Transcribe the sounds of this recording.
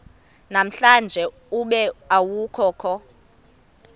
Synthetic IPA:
nam̩ɬand͡ʒʱɛ | uɓɛawukʰɔːkʰɔ

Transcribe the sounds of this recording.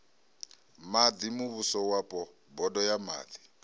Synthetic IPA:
mad͡z̪imuβusɔwapʼɔ | bɔdɔjama̰ːd̪i̥

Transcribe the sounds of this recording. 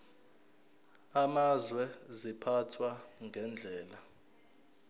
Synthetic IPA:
amazwɛzipʰatʰwaŋʱɛnd͡ɮʱɛːla

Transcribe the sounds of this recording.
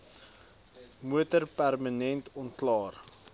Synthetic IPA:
muətərpærmənɛntɔntklɑːr

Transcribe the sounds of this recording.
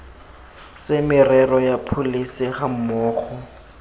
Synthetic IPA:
sɪmɪrɛrɔjapʰolisɪχam̩mɔːχɔ

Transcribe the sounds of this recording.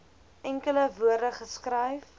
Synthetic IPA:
ʔɛŋkələvuərdəχəskrɛjf

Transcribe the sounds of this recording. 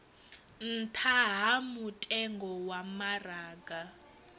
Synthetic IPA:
n̩tʰaɦamutʼɛŋɡɔwamaraːɡa

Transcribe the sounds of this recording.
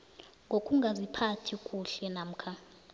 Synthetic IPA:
ŋɡʱokʼuŋɡʱazipʰatʰikʼuɬɛnam̩kʰa

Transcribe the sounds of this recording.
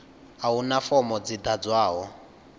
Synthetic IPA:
aunafɔmɔd͡zid̪ad͡zwaːɦɔ

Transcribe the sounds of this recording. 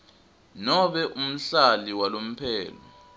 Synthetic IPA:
nɔɓɛʔum̩ɬaliwalom̩pʰɛːlɔ

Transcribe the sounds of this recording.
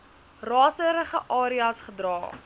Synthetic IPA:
rɑːsəɾəχə̰ʔɑːɾiɐsχədrɑː

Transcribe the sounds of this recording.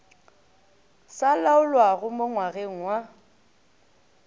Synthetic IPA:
salaʊlwaɣʊmʊŋwaɣeŋ̩wa

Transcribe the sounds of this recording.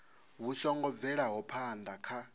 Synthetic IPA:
βuʃɔŋɡɔvɛɺaɦɔpʰand̪akʰa

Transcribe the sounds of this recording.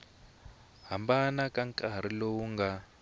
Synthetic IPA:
ɦambanakaŋkʼaɾ̤ilowuŋɡa

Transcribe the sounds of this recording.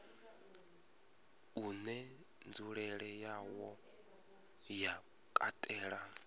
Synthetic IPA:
unɛ | nd͡zuɺɛɺɛjawɔ | ja | kʼa̰tʼɛːɺa

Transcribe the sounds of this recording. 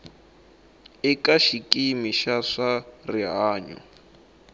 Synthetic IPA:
ikaʃikʼimiʃaʂariɦaːɲɔ̰

